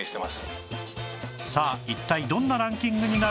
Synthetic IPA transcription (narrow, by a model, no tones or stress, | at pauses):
ɕi̥t̪emasɨ̥ | saːit̪ːaid̪õ̞nːaɾãŋkʲĩŋɡɯ̟ɲ̟ina